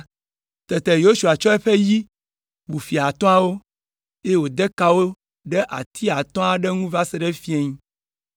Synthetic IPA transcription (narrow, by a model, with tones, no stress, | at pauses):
t̪ɛ˨t̪ɛ˨jo˦ʃu˨a˨t͡ʃɔ˦ɛ˦ɸe˦ji˦ | bu˨fi˨a˨t̪ɔ̃˦a˦wo˦ | je˦wo˨d̪ɛ˦ka˦wo˦ | ɖɛ˦ʔa̰˨t̪ʰi˦a˨t̪ɔ̃˦a˦ɖɛ˦ŋũ˦va˦sɛ˨ɖɛ˦fi˦e˦ɲĩ˦